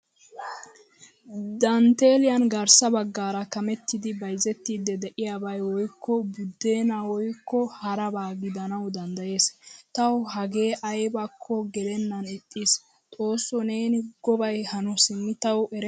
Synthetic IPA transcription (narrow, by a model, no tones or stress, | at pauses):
d̪ɐnt̪e̞ːlɪjɐnɡɐɾsɐbɐɡːaːɾɐkɐmɛt̪ːɪd̪ɪbɐjzɛt̪ːiːd̪ɛd̪ɛʔɪjaːbɐjwɔjkʰːɔbʊd̪ːe̞ːnawɔjkːɔhɐɾɐbaːɡɪd̪ɐnɐwd̪ɐnd̪ɐje̞ːst̪ɐwhɐɡe̞ːʔɐjbakʰːɔɡɛlɛnːɐnɪt̪ʼːiːs | t̪ʼo̞ːsːɔne̞ːnɪɡ̥ɔbɐjhɐnɔsɪmːɪt̪ɐwɛɾɛ